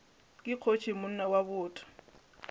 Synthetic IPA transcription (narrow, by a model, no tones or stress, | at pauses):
kʼɪq͡χʰot͡ʃʰimʊn̩nawabʊːtʼɔ̥